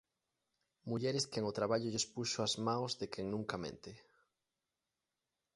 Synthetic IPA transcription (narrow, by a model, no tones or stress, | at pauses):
muʎɛɾeskeŋot̪ɾaβaʎoʎespuʃoazmãwzðekʰeŋnũŋkamḛ̃nt̪e